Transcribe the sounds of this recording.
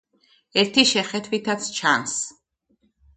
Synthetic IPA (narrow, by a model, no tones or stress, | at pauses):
ɛɾt̪ʰiʃɛχɛt̪ʰvit̪ʰat̪sʰt͡ʃʰans